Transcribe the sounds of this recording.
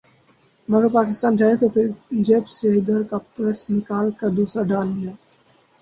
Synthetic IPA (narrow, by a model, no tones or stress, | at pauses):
mɐɡəɾpaːkɪst̪aːnd͡ʒaːet̪opʰɪɾd͡ʒeːpseɪd̪əɾkapɾɛsnɪkaːlkad̪uːsɾaɖaːld̪ijaː